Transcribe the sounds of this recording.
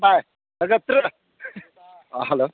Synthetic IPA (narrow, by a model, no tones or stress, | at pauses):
baj | ləɡət̪ɾə | ɦɛlo